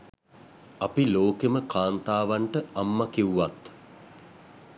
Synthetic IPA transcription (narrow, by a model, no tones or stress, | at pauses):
apiloːkeməkaːnt̪aːʋaɳʈəamːakiuʋat̪